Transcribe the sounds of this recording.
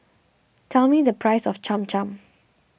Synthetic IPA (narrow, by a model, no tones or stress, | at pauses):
tʰɛlmidəpʰɹaɪsɔft͡ʃãmt͡ʃãm